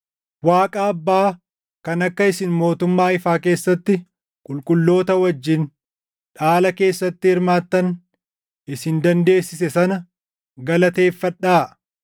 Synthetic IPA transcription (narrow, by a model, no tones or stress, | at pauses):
waːkʼaːɐbːaː | kɐnɐkːɐɪsɪnmo̞ːt̪ʊmːaːɪfaːke̞ːsːɐt̪ːɪ | kʼʊlkʼʊlːo̞ːt̪ɐwɐd͡ʒːɪn | ᶑaːlɐke̞ːsːɐt̪ːɪhɪɾmaːt̪ːɐn | ɪsɪnd̪ɐnd̪e̞ːsːɪsɛsɐnɐ | ɡɐlɐt̪e̞ːfːɐᶑaː